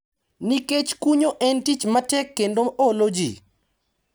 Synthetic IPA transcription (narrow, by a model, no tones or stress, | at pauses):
niket͡ʃkuɲoʔɛntit͡ʃmatɛkːendoolod͡ʒḭ